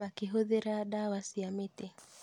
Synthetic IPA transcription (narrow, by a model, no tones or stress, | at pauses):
akiɦuðiɾaɗawasiamiti